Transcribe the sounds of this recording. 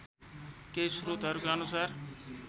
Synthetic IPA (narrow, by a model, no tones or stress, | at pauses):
kesrut̪ʌɾukaʌnusar